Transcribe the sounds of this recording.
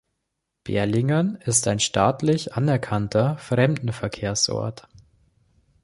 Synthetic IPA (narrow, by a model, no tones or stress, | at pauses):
b̥ḛːɐlɪŋɐnɪstaɪnʃtaːtlɪçʔanɛɐkʰantʰɐfʁ̥ɛmdn̩fɛɐkʰeːɐsʔɔ̰ɐt